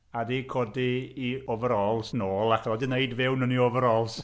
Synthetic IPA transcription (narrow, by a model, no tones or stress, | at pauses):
adiːkʰɔdiːɔvəɾɔlˠsnoːlˠaχʰɔdɪneɨdvɪwnəniɔvəɾɔlˠs